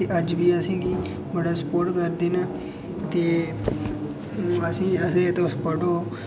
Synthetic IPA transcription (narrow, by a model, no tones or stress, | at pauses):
eʔəd͡ʒʋiːəsĩːɡiː | bəɽaːspoːɾʈkəɾd̪iːna | t̪eː | ũəsĩəsẽt̪õspəɖoː